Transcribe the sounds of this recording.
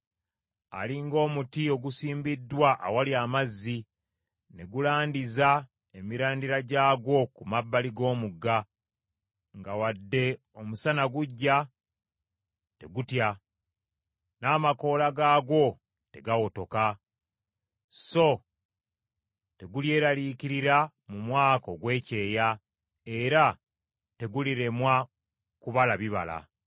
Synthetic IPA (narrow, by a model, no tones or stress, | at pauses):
a̰liŋɡo̞ːmutio̞ɡusiːmbidːwaʔa̰waliamazːi | ne̞ɡulaːndiza | e̞miɾaːndiɾaɟaːɡo̞kumabːaliɡo̞ːmuɡːa | ŋɡawadːe̞ | o̞musanaɡuɟːa | te̞̰ɡutja | naːmako̞ːlaɡaːɡo̞ | te̞ɡawoto̞ka | so̞ | te̞ɡulje̞ːɾalikiɾiɾa | mumwaːko̞ɡwe̞ːce̞ːja | e̞ɾa | te̞ɡuliɾe̞mwa | kuβalaβiβa̰la̰